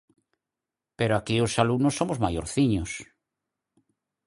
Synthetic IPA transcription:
peɾoakiosalunosːomozmajo̰ɾθiɲos

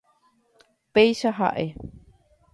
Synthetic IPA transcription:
pejʃaɦa̰ʔe

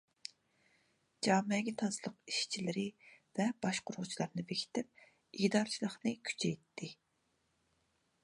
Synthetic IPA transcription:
d͡ʒɑːmɛɡʲɛt̪ʰɑzlˠəqi̥ʃt͡ʃʰilɪɾɪvɛb̥ɑʃqʊɾʊʁt͡ʃʰilˠɑɾnɨvekʲʰi̥t̪ɪp̚ | id̪ɑɾt͡ʃʰilˠəχnɨkʲʰy̥t͡ʃʰɛjt̪ʰːɪ

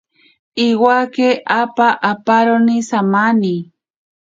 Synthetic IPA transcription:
iwakeʔapaʔapaɾonisamani

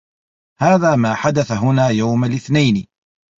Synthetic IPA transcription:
haːðaːmaːħad̪aθaɦʊnaːjawmalʔɪθnajn

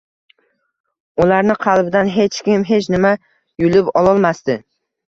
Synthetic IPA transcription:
ʊlaɾnɪqʰɑlˠbɪd̪anɦe̞t͡ʃkʲɪmɦe̞t͡ʃʰnɪma | jʊlɪpɒlˠɒlˠmast̪ɪ

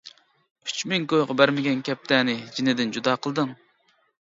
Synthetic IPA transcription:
yt͡ʃmɪŋkojʁɑbæɾmɪɡʲɛnkʲɛp̚t̪ʰɛnɪd͡ʒinɪd̪ɪnd͡ʒud̪ɑːqʰəlˠd̪ɨŋ

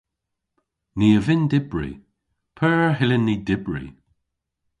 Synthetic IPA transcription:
niːəvɪndɪbɹḭ | pʰɜːɹəɦɪlənːiːdɪbɹḭ

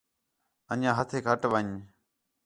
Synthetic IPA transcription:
əɲãːɦət̪ʰeːkʰəʈʋəɲ

